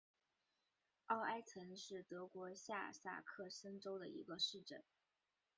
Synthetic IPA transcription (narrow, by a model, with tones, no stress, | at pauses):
ɑ˥˩ʊa˥ɪt͡sʰə˧˥nʂɻ̩˥˩t̪ɤ˧˥kwɔ˧˥ɕja̰˥˧sa̰˥˩kʰɤ˥˩sə˥nʈ͡ʂo˥ʊd̪ə˨ḭ˧˥ɡə˧ʂɻ̩˥˩ʈ͡ʂə˥˩n